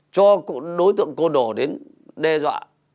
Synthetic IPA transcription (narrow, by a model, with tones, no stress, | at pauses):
t͡ɕɔ˧kɗo˨˦jt̪ɨ̰˧˨ə˨ŋko˧ɗo˧˩ɗe˨˦n | ɗɛ˧zwa̰ː˧˨ʔ